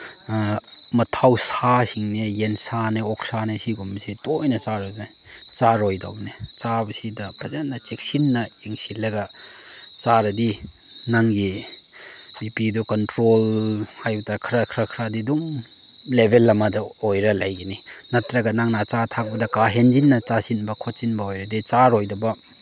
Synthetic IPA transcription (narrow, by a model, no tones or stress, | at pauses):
mɐtʰawsasiŋnejensaneɔk̚sanesiɡumisitojnɐt͡ʃaɾɔjaj | t͡ʃaɾojda̰wnet͡ʃabɐsidɐpɾɐzanːɐt͡ʃek̚sinːɐiŋsilɐɡɐ | t͡ʃaɾɐdi | naŋɡi | bipidukɔntɾolhajbɐtakʰɾakʰɾakʰɾadiduŋ | lebʱelːɐmɐdɐojɾɐlajɡeninɐtɾɐɡɐnaŋnat͡ʃatʰak̚bɐdɐkaɦend͡ʒinːɐt͡ʃasinbɐkʰot̚t͡ʃinbɐojɾɐdit͡ʃaɾojdɐbɐ